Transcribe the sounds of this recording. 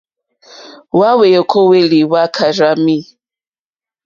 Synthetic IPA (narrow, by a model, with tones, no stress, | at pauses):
wa˦we˨jɔ˨kʰɔ˦we˦li˨wa˦kʰa˨ɾa˦mi˦